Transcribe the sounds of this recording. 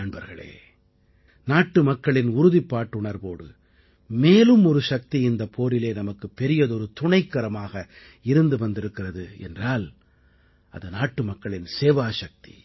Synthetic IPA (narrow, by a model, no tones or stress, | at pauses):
ɐɳbɐɾɣɐɭḛː | naːʈːɯmɐkːɐɭɪnʊɾʊðipːaːʈːʊɳɐɾboːɽɯ̰ | meːlɯmɔɾɯʂɐk̚t̪iɪnd̪ɐpʰːoːɾɪleːnɐmɐkːɯpːɛɾɪjɐðɔɾɯt̪ʊɳɐɪkːɐɾɐmaːɣɐ | ɪɾɯnd̪ɯʋɐnd̪ɪɾɯkːɪrɐðɯɛ̰ndraːl | ɐ̰ðɐnaːʈːɯmɐkːɐɭɪnseːʋaːʂɐk̚t̪i̥̰